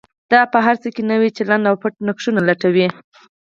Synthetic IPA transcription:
d̪̥ɑpəɦaɾt͡səkenəwit͡ʃaland̪awpəʈ̚nakʂunalaʈawi

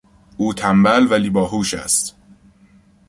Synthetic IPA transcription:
ʔuːt̪ʰæmbælvæliːbɒːɦuːʃæ̰st̪

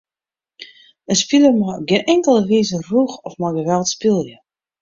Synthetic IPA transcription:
ənspiləmɔɡɪnɛŋkəlˠəʋiːzəruxɔfmaɡəʋɛlˠtspilˠjə

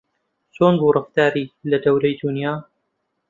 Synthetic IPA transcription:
t͡soːnbuːrˤɑft̪aːɾiːlɐd̪ɐwlɐjd̪unjaː

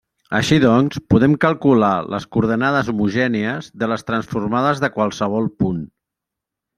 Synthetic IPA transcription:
əʃiðɔnspuðɛmkəlˠkulalə̰skuɾð̞ənaðəzumuʒɛniəzðələst̪ɾənsfurmaðəzðəkwalˠsəβ̞ɔlˠpun

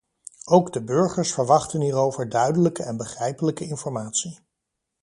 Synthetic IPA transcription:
owɡdəbɵɹχəɹsfəɹʋɑχtəniːrowvəɹdœɥdələkəɛnbəχrɛjpələkəɪnfɔɹmaːtsi

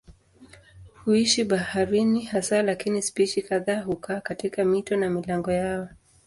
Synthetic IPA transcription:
huiʃiɓahaɾinihasalakinispiʃikaðaːhukaːkatikamitɔnamilaŋɡɔjaɔ

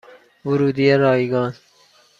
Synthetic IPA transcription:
vʊɾuːd̪ieɾɔːiɡɑːn

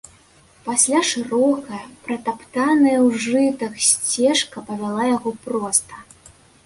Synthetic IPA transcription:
pasʲlʲaʂɨɾɔkɐjɐpɾɐt̪apt̪anɐjɐwʐɨt̪ɐksʲt͡sʲɛʂkɐpɐvʲalˠajaɣɔpɾɔst̪ɐ̥

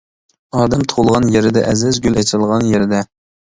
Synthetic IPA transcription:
ɑːd̪ɛmt̪ʰolˠʁɑnjeɾɪd̪ɛ̰ʔɛzɪzɡʲylɛt͡ʃʰlˠʁɑnjeɾɪd̪ɛ

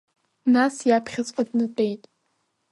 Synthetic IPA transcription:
nasjapʰχʲat͡sʷʼadnɨt͡pʷʼejtʼ

